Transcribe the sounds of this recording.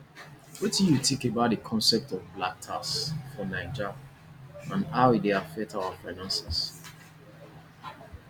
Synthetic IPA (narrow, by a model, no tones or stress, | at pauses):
wɛtijutʰĩkebaʊt̚dəkʰɔ̃nsɛp̚tɔvblak̚tʰa̰sfɔnaɪd͡ʒa | ãnaʊideafɛk̚tʰawafaɪnãnsɛs